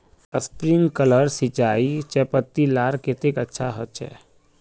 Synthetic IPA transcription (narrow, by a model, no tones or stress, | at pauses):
əspɾiŋɡkələɾsɪt͡ʃaːit͡ʃɛpət̪ːilaːɾket̪ekətːʃʰaɦɔt͡ʃʰɛ̰ː